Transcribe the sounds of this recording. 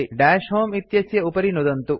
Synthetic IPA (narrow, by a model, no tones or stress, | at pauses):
iɖaːʃɦoːmit̪jɐsjɐupɐɾinud̪ɐnt̪u